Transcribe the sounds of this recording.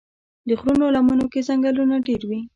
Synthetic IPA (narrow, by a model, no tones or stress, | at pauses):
d̪əxɾunolamunokezaŋɡalunaɖeɾwi